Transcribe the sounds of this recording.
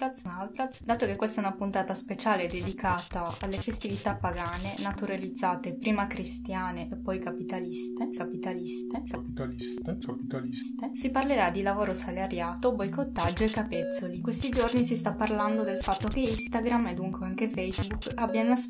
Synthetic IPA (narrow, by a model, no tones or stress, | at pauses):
ɾasalbɾasd̪aːt̪okekːwest̪ɛunapunt̪aːt̪aspet͡ʃaːled̪ed̪ikaːt̪aalːefest̪ivit̪apːaɡaːnenat̪uɾalid̪zːaːt̪epɾiːmakɾist̪jaːneʔepːɔjkapit̪alist̪ekapit̪alist̪ea | sa | st̪esiparleɾad̪ːilavoːɾosalaɾjaːt̪obojkot̪ːad͡ʒːoekːapet̪sːolikwest̪id͡ʒornisist̪apːarland̪od̪elfat̪ːokeist̪aɡɾamed̪uŋkweaŋkefɛjzbuk | abjaas